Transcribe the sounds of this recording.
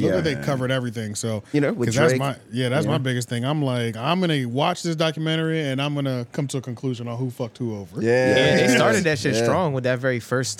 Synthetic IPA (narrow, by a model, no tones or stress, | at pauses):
joʊəðeɪkʰʌvə˞ɾɛvɹiθɪ̃ŋsoʊjɨnoʊʌzzðætsmaɪjæðætsmaɪbɪɡɨst̪̚θɪ̃ŋãɪ̃mlaɪkãɪ̃mɡʌnɨwɑt͡ʃðɪs̬d̥ɑkjɨmɛ̃ɾ̃ə˞iɨ̃nãɪ̃mɡʌnəkʰʌ̃mtʰəːkʰɨ̃n̩kʰl̥ʉʒɨ̃nl̩ˠhufʌk̚t̚huoʊvə˞jææ̃ðeɪstɑɹɾɨdɨʃɨ̃stɹ̥ɔ̃ŋwəðɨtvɛɹifɜ˞s